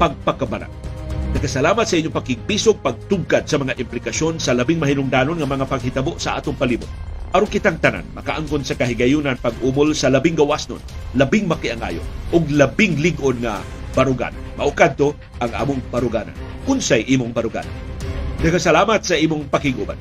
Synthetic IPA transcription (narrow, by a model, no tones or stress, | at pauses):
pɐɡ̚pɐkabaɾa̰ŋnɐkasɐlaːmɐt̪sɐʔiɲːopɐkɪɡ̚piːsoɡ̚pɐɡ̚t̪ʊɡ̚kad̪̚sɐmɐŋaʔɪmplɪkaʃonsɐlɐbɪŋmɐɦinʊŋd̪aːnonŋɐmɐŋapɐɡ̚hɪt̪ɐboʔsɐʔa̰ːt̪ʊŋpɐlimʊt̪̚ʔɐɾonkɪt̪aŋt̪ɐna̰nmɐkaʔaŋkonsɐkɐɦɪɡɐjunanpaɡ̚ʔumolsɐlɐbɪŋɡɐwasno̰nlɐbɪŋmɐkiaŋa̰ːjo̰ʔʊɡ̚lɐbɪŋlɪɡʔonŋa̰bɐɾʊɡa̰ːna̰nmɐʔʊkad̪̚t̪o | ʔaŋʔa̰ːmʊŋpaɾʊɡaːna̰n | kʊnsajʔiːmʊŋbɐɾʊɡa̰na̰nnɐkasɐlaːmɐt̪sɐiːmʊŋpɐkɪɡʔuba̰n